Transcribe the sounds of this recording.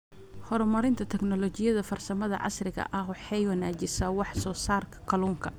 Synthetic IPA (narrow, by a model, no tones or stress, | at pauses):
hɔɾmɐɾɪnt̪ʰɐt̪ʰɛɡnɔlɔt͡ʃɪjɐðɐfɐrsɐmɐðɐ̰ʕɑ̰srɪɣɐ̰ʔɐɦʊħɛjwɐnaːt͡ʃɪsɐwɑħsɔːsaːrkʰɐ̥kʰɐluːŋkʰɐ